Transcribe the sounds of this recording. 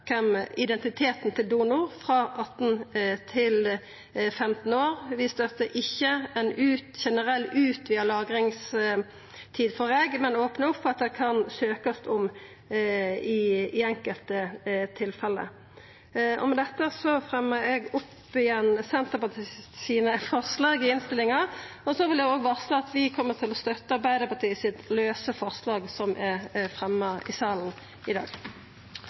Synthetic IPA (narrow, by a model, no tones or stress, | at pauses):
kʰɛmɪd̪ɛnt̪ɪt̪ʰeːt̪nt̪ʰɪld̪uːnʊʁfɾɑʔɑt̪ːn̩t̪ʰɪl | fɛmt̪n̩oːʁʋɪst̪œt̪əʔɪçːəɛnʉːt̪ʃɛnəʁɛlːʉːt̪ʋɪɑlɑːɡɾɪŋs | t̪ʰiːd̪fɔɾeːɡmɛnoːpnəʊpfɔɑt̪̚d̪ɛkʰɑnsøːkəst̪ʊm | ɪɪɛŋkəlt̪ət̪ʰɪlfɛlːə̰ | ʔɔ̰mɛd̪ɛt̪ːəsɔfʁɛmːəɾɛɡʊp | ɪjɛnːsɛnt̪əpɑt̪ʰɪsiːnəfɔʁslɑːɡɪɪnst̪ɪlːɪŋɑɔsɔʋɪldɛɡoːɡʋɑslɑɑt̪ʋɪkʰɔmːəʁt̪ʰɪlɔst̪œt̪ːəɑɾbæɪd̪əpɑt̪ʰiːəsɪt̪løːsəfɔʁslɑːɡsɔmʔæɾfʁɛmːəɪ̰sɑːln̩ | ɪd̪ɑ̰ːɡ